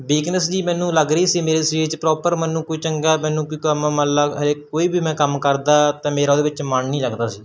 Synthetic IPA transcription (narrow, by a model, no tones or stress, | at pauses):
ʋiːknəsd͡ʒiːmɛ̃ːnũːləɡɾəiːsiːmeːɾeːsɾiːt͡ʃpɾɔːpəɾmɛːnũːkoiːt͡ʃəŋɡaːmɛ̃ːnũːkiːkəmaːməlaːɦəɾeːkoːiːbʱiːmɛ̃ːkəmkəɾd̪aːt̪ãːmeːɾaːod̪eːʋɪt͡ʃməɳnĩːləɡd̪aːsiː